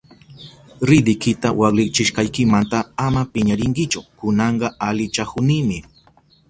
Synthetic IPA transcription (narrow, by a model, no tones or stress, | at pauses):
ɾɪd̪ɪkɪt̪awɑlɪt͡ʃɪʃqɑjkɪmant̪aamapɪɲaɾɪŋkɪt͡ʃʊkʊnɑɴɢɑalɪt͡ʃakʊnɪmɪ